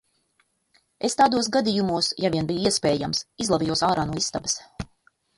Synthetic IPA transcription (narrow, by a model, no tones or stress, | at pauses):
est̪aːd̪uɔs̬ɡad̪ijumuɔsjaviɛbijuiɛspʲeːja̰msizlˠavʲijuɔsaːɾaːnuɔist̪abəs